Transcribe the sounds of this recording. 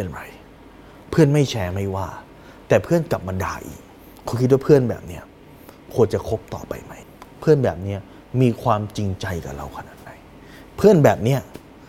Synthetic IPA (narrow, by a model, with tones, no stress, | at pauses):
pe˧nɾa˧j | pʰɯ˥˩ənma˥˩jt͡ɕʰɛː˦˥ma˥˩jwaː˥˩ | t̪ɛː˨˩pʰɯ˥˩ənka˨˩p̚ma˧nda̰ː˧ʔḭː˨˩k̚ʰ | u˧˦kʰi˦˥waː˥˧pʰɯ˥˩ənbɛ̰ː˨˩p̚ni˦˥ɐ | kʰu˧ənt͡ɕa˨˩kʰo˦˥p̚t̪ɔ̰ː˨˩pa̰˧jma˦˥˩j | pʰɯ˥˩ənbɛː˨˩p̚ni˦˥ɐ | miː˧kʰwaː˧mt͡ɕi˧ŋt͡ɕa˧jka̰˨˩ɾa̰˧wkʰa˧na̰ː˨˩t̪̚da˨˧˩j | pʰɯ˥˩ənbɛː˨˩p̚ni˦˥ɐ